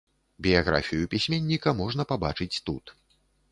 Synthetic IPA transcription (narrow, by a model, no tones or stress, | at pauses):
bʲijaɣɾa̰fʲijupʲisʲmʲenʲːikɐmɔʐnɐpabat͡ʂɨt͡sʲt̪ut̪